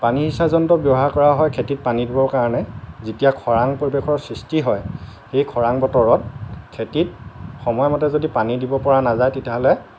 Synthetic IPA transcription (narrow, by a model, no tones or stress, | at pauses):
panihisazɔntɔbjɔɦaɹkɔɹaɦɔjkʰetit̚panidibɔɹkaɹɔnɛzitijakʰɔɹaŋpoɹibexʰɔɹsɹistiɦɔjxejkʰɔɹaŋbɔtɔɹɔt̚kʰetit̚xɔmɔjmɔtɛzodipanidibɔpɔɹanazajtetiaɦɔlɛ